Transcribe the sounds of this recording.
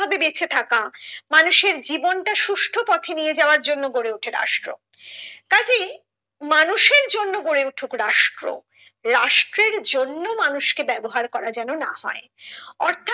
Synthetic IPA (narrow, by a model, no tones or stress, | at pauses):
abebet͡ɕʰet̪ʰakamanuʃeɾd͡ʑibonʈaʃuʃʈʰopɔt̪ʰenijed͡ʑaoaɾd͡ʑonːoɡoɾeuʈʰeɾa̰ʃʈɾo̰ | kad͡ʑi | manuʃeɾd͡ʑonːoɡoɾeuʈʰukɾaʃʈɾo̰ | ɾaʃʈɾeɾd͡ʑonːomanuʃkebɛboɦaɾkɔɾad͡ʑɛnona̰hɔ̰e | ɔɾt̪ʰa